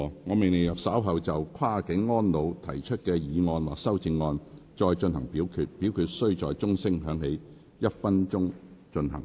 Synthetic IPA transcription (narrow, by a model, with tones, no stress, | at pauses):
ŋɔː˨˧me˨˩ne˨˩jɐ˨p̚saː˨˥wɦɐ˨wt͡sɐ˨wkʰwaː˥kɪ˨˥ŋːɔː˥nlo˨˧wt̪ʰɐ̰˨˩jt͡ʃʰɵ˥t̚kɛː˧jiː˨˧ŋɔː˧nwaː˨k̚sɐ˥wt͡sɪ˧ŋːɔː˧nt͡ʃɔː˧jt͡ʃɵ˧nɦɐ˨˩ŋpiː˨˥wkʰyː˧t̚pi˨˥wkʰyː˨˧t̚sɵ˥ɥt͡sɔː˨jt͡sʊ˥ŋsɪ˥ŋɦœː˨˥ŋhe˨˥j | jɐ˥t̚fɐ˥nt͡ʃʊ˥ŋt͡ʃɵ˧nhɐ̰˨˩ŋ